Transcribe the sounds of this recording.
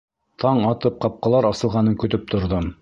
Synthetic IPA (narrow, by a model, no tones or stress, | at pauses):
t̪ʰɑɴɑt̪ɤp̚qɑp̚qɑ̆lˠɑɾɑsɤ̆lˠʁɑnɤŋkɵ̆t̪ɵp̚t̪ŏɾðom